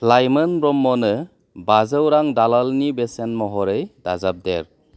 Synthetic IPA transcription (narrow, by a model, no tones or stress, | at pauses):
plajmɯnɾɔmːɔnɯ | bazəwɾaŋdalalnibesenmɔɦɔɾɯjdazap̚dḛɾ